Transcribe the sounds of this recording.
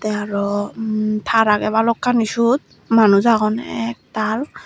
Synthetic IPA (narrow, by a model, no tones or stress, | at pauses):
t̪ɛaɹɔ | t̪ʰaɾaɡɛβalɔkʰːaniʃut̪̚ | manuzaɡɔnɛ̰ɛk̚t̪al